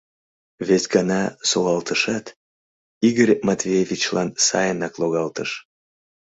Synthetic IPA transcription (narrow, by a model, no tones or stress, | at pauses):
vesʲɡɑnɑsoɣɑlt̪əʃɑt̪ | iɣəɾʲmɑt̪vʲievʲit͡ɕlɑnsɑ̰jənɑkloɣɑlt̪əʃ